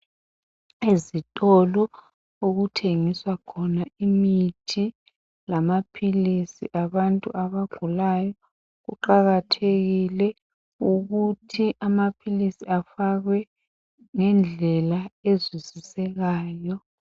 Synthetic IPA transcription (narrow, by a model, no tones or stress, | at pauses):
ezitʼɔlɔ | oɣutʰeŋiswakʰɔnaimitʰi | lamapʰilisḭʔaβantʼṵʔaβaɡ͡ǃʱulajɔ | ɣṵǃaɣatʰeɣilɛ | uɣutʰiʔamapʰilisiafaɣwɛ | ŋɛnd͡ɮʱɛlaezwizisɛɣaːjɔ